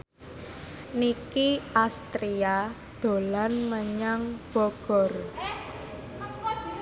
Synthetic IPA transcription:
nikiast̪ɾia | d̪̥o̤lanməɲaŋb̥ɔɡ̥ɔ̤r

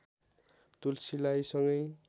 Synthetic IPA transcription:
t̪ulsilajsʌŋɡʌj

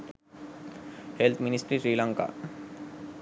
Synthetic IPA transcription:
helt̪ʰmɪnɪsʈɾiʃɾiːlãŋka̰

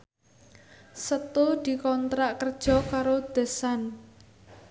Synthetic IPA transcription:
sət̪ud̪̥i̤kɔnt̪ɾaʔkərd̥ʒ̥ɔ̤kaɾod̪̥e̤san

